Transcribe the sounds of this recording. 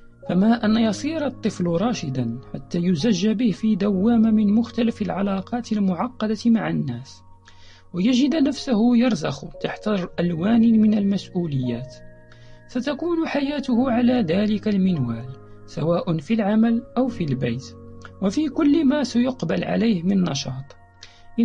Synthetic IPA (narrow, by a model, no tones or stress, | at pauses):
famaʔanjɑsˤiːɾɑt̪ˤːɨflɾˤɑːʃɪd̪anħa̰t̪ːæːjʊzaʒːabɪhfiːd̪awːaːmamɪnmʊxt̪alafalʕalɑːqɑːt̪əlmʊʕɑqːɑd̪ɑmaʕanːæːs | wajaʒɪd̪næfsʊhʊjɑɾˤzɑxt̪aħt̪aʔælwaːnmɪnalmæsʔuːlɪjːæːt̪ | sat̪akuːnʊħajæːt̪ʊhʊʕalæːd̪æːlɪkalmɪnwæːl | sawaːʔʊnfilʕamælʔawfilbajt̪wafikʊlːmasajʊqbalʕa̰lejhmɪnnːɑʃɑːt̪ˤ | ʔ